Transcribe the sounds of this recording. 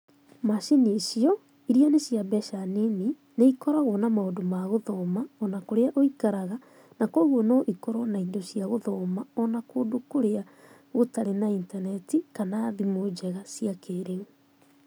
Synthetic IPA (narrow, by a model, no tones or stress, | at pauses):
maʃenisiɔ | iɾianesiabɛʃanini | neikɔɾaɣɔnamaodomaɣoðɔmaɔnakoɾeaʔoikaɾaɣa | nakɔɣwɔnɔʔikɔɾɔnaidosiaɣoðɔːmaɔnakoːdokoɾea | ɣotaɾenaintanɛtikanaðimod͡ʑɛɣasiakeːɾeŋo